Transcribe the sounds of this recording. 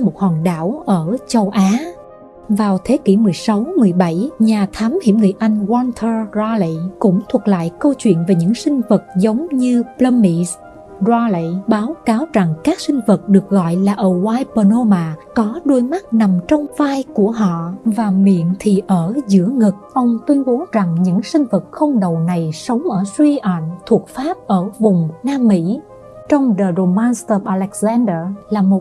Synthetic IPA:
mo˨˩t̚hɔː˨˩nɗaː˧˩wʔəː˧˩t͡ɕə˧wʔaː˨˦ | vaː˨˩wt̪ʰe˨˦kḭ˧˩mɨ˨˩əjsa˨˦wmɨ˨˩əjɓə˧˩jɲaː˨˩t̪ʰaː˨˦mhḭ˧˩˥mŋɨ˨˩əjʔa˧jŋ̟ɣwɔ˧nt̪ʰə˧za˧li˧˨kʊ̰˧˥ŋ͡mt̪ʰwu˨˩la̰ː˧˨jkə˧wt͡ɕwḭ˧˨ənve˨˩ɲɨ̰˧˥ŋsï˧ŋ̟və˨˩t̚zə˨˦wŋ͡mɲɨ˧plə˧mːi˧˨s | zɔ˧li˧˨ɓaː˨˦wkaː˨˦wza˨˩ŋkaː˦˥k̚sï˧ŋ̟və˨˩t̚ɗɨ˨˩ək̚ɣɔ̰˧˨jlaː˨˩ʔəː˧˨˩waː˧jpə˧no˧maː˨˩kɔ˨˦ɗo˧jma˦˥t̚na˨˩mt͡ɕɔ˧wŋ͡mvaː˧jku˧˩əɦɔ̰˧˨vaː˨˩mḭ˧˨ənt̪ʰi˨˩ʔəː˧˩zɨ̰˧˥əŋɨ˨˩k̚ʔə˧wŋ͡mt̪wi˧ənɓo˨˦wza˨˩ŋɲɨ̰˧˥ŋsï˧ŋ̟və˨˩t̚xə˧wŋ͡mɗə˨˩wna˨˩jsə˨˦wŋ͡mʔəː˧˩swi˧ʔa˧˨ŋ̟t̪ʰu˨˩ək̚faː˦˥p̚ʔəː˧˩vʊ˨˩ŋ͡mnaː˧mːḭ˧˥ | t͡ɕɔ˧wŋ͡mɗəː˨˩zo˨˩ma˧nst̪ə˧ʔa˧lɛ˨˦˥k̚zɛ˧nɗə˧laː˨˩mo˨˩t̚

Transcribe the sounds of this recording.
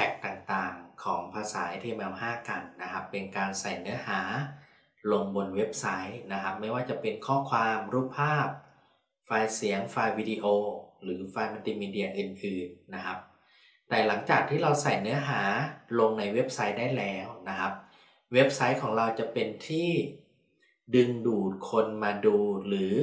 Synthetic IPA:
pʰɛ˨˩k̚t̪aː˨˩ŋt̪aː˨˩ŋkʰɔː˩˦ŋpʰaː˧saː˩˦jt̪ʰiː˧mʔɛː˧whaː˥˩ka˧nːa˦˥kʰa˦˥pːe˧nkaː˧nsa˨˩jnɯ˦˥ɐɦaː˩˦ | lo˧ŋbo˧nwe˦˥p̚sa˦˥jna˦˥kʰa˦˥p̚ma˥˩jwaː˥˩t͡ɕa˨˩pe˧nkʰɔː˥˩kʰwaː˧mɾuː˥˩p̚pʰaː˥˩p̚ | faː˧jsi˩˦əŋfaː˧jwiː˧di˧ʔoː˧ɾɯː˩˦faː˧jma˧nt̪iː˧miː˧di˧ɐ˧ʔɯː˨˩nʔɯː˨˩nːa˦˥kʰa˦˥p̚ | t̪ɛː˨˩la˩˦ŋt͡ɕaː˨˩k̚t̪ʰiː˥˩ɾa˧wsa˨˩jnɯ˦˥ɐɦaː˩˦lo˧ŋna˧jwe˦˥p̚sa˦˥jdaː˥˩jlɛː˦˥wna˦˥kʰa˦˥p̚ | we˦˥p̚sa˦˥jkʰɔː˩˦ŋɾa˧wt͡ɕa˨˩pe˧nt̪ʰiː˥˩ | dɯ˧ŋduː˨˩t̪̚kʰo˧nmaː˧duː˧ɾɯː˩˦

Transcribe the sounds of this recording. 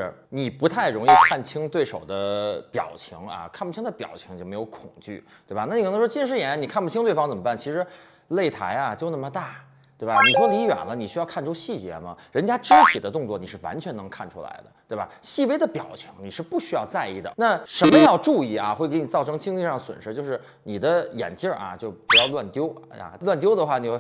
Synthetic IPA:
ɻ̩˧ni˨˩pu˧˥t̪ʰa˥˩ɪɻʊ˧˥ŋi˥˧kʰa˥˩nt͡ɕʰi˥ŋt̪we˥˩ɪʂo˨˩ʊd̪ə˦pjɑ̰˨˩ʊt͡ɕʰi˧˥ŋɐ̰˧kʰa˥˩˧npu˧˩t͡ɕʰi˥ŋd̪ə˧pjɑ̰˨˩ʊt͡ɕʰi˧˥ŋt͡ɕjo˥˩ʊme˧˥ɪjo˧˥ʊkʰʊ˨˩ŋt͡ɕy̰˥˩t̪we˥˩ba˨˩na˥˩ni˨˩˥n˧˥ʂwɔ˥t͡ɕi˥˧˥ʂɻ̩˥˩jɛ˧˩na˧˥ni˨˩kʰa˥˩npu˥˩t͡ɕʰi˥ŋt̪we˥˩ɪfɑ˥ŋt͡sə˨˩mə˦pa˥˩nt͡ɕʰi˧˥ʂɻ̩˧˥ | le˥˩ɪt̪ʰa˧˥ɪa˧t͡ɕjo˥˧na˥˩mə˧t̪a˥˩ | t̪we˥˩ɪba˩ni˨˩ʂwɔ˥li˧˥jɥa̰˨˩nlə˦ni˨˩ɕy˥jɑ˥˧ʊkʰa˥˩nʈ͡ʂʰu˥ɕi˥˩t͡ɕjɛ̰˧˥mɐ̰˧ɻə˧˥nt͡ɕja˥ʈ͡ʂɻ̩˥t̪ʰi˨˩d̪ə˦t̪ʊ˥˧ŋt͡swɔ˥˩ni˨˩ʂɻ̩˥˩wa̰˧˥nt͡ɕʰɥɛ˧˥nɤ˧˥ŋkʰa˥˩nʈ͡ʂʰṵ˥la̰˧˥ɪd̪ə̰˧t̪we˥˩ɪba̰˨˩ɕi˥˩we˥ɪd̪ə˨pjɑ˨˩ʊt͡ɕʰi˧˥ŋni˨˩ʂɻ̩˥˧pu˥˩ɕy˥jɑ˥˧ʊt͡sa˥˧ɪḭ˥˩d̪ə̰˩na˥˩ʂə˧˥nmə˧jɑ˥˧ʊʈ͡ʂu˥˧i˥˩ɐ̰˩xwe˥˩ke˧˥ɪni˨˩t͡sɑ˥˩ʊʈ͡ʂʰɤ˥ŋt͡ɕi˥ŋli˥˧ʂɑ˥˩ŋswə̰˨˩nʂɻ̩˥t͡ɕjo˥˧ʊʂɻ̩˥˩ | ni˨˩d̪ə˦jɛ̰˨˩nt͡ɕjə˥˧˩ʔɐ̰˩t͡ɕjo˥˩ʊpu˧˥jɑ˥˧ʊlwa˥˩nt̪jo˥ʊa̰˧˩lwa˥˩nt̪jo˥ʊd̪ə˨˧xwa˥˩ni˨˩xe˥˧˩

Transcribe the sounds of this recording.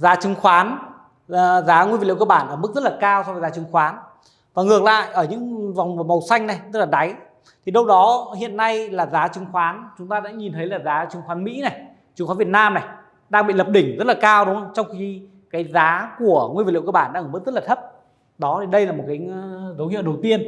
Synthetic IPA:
zaː˨˦t͡ɕɨ˨˦ŋxwaː˨˦nː˨˩ | zaː˨˦ŋwvli˧˨˧kə˧˩ɓaː˧˩nʔəː˧˩m˦˥k̚zə˦˥t̚laː˨˩kaː˧wsɔ˧wvzaː˨˦t͡ɕɨ˨˦ŋxwaː˨˦n | vaː˨˩ŋɨ˨˩ək̚la̰ː˧˨jʔəː˧˩ɲɨ̰˧˥ŋva˨˩wŋ͡mmə˨˩wsa˧jŋ̟na˨˩jzə˦˥t̚laː˨˩ɗa˨˦j | t̪ʰi˨˩ɗə˧wɗɔ˨˦hḭ˧˨ənːa˧jlaː˨˩zaː˨˦t͡ɕɨ˨˦ŋxwaː˨˦nt͡ɕʊ˨˦ŋ͡mt̪aː˧ɗa̰ː˧˥ɲi˨˩nt̪ʰə˨˦jlaː˨˩zaː˨˦t͡ɕɨ˨˦ŋxwaː˨˦nmḭ˧˥na˨˩j | t͡ɕɨ˨˦xa˨˦nvi˨˩ət̚naː˧mna˨˩j | ɗaː˧ŋɓḭ˧˨lə˨˩p̚ɗï˧˩ŋ̟zə˦˥t̚laː˨˩kaː˧wɗʊ˨˦ŋ͡mə˧˦t͡ɕɔ˧wŋ͡mxi˧ | kaː˨˦jzaː˨˦ku˧˩əŋi˧v̚lḭ˧˨˧kə˧˩ɓaː˧˩nɗaː˧˥ʔəː˧˩m˦˥k̚zə˦˥laː˨˩t̪ʰə˦˥p̚ | ɗɔ˨˦t̪ʰi˨˩ɗə˧jlaː˨˩mo˨˩t̚kaː˨˦jzə˨˦whḭ˧˨wɗə˨˩wt̪i˧ən

